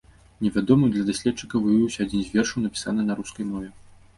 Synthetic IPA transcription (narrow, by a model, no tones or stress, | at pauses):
nʲɛvʲad̪ɔmɨd̪lʲɐd̪asʲlʲɛt̚t͡ʂːɨkɐvɨjiwsʲɐad͡zʲinzʲvʲɛrʂɐwnɐpʲi̥sanɨnɐɾuskɐjmɔvʲɛ